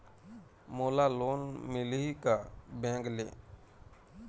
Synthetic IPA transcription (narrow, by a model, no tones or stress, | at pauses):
moːlaloːnmɪliikabɛ̃ːŋɡlḛː